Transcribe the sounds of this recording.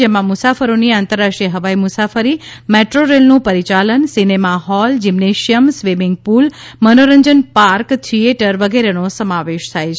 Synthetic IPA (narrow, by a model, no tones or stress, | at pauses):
emãmʊsafəɾoniãːnt̪əɾːaʂʈiəɦəʋaimʊsafəɾimeʈɾoɾelnũpəɾit͡ʃalənsinemaɦɔld͡ʒimneʃijəmsʋimɪŋɡ̚pul | mənoɾəɲd͡ʒənpaɾktʰieʈəɾʋəɡeɾenosəmaʋeʃt̪ʰajt͡ʃʰ